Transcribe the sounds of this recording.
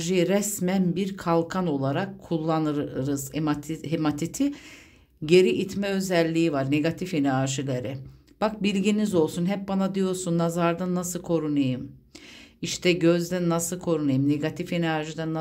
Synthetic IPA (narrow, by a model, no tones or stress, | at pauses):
ʒijɾɛsmænbiɾkʰalˠkʰano̞lˠaɾakʰːulˠːanɯɾɾɯzɦemat̪ʰit̪ʰi | ɟe̞ɾiʔit̪ʰmɛø̞zɛlʲːiːivaɾne̞ɡat̪ʰifenaɾʒilʲeɾɪ | b̥ak̚bilʲɟinizo̞lˠsunɦɛp̚banad̪ijo̞ɾsunːazaɾd̪anːasɯlˠkʰo̞ɾunajɯm | iʃt̪ʰɛɟøzd̪ænːasɯlˠkʰo̞ɾunajɯmne̞ɡat̪ʰifenæɾʒid̪ɛnːa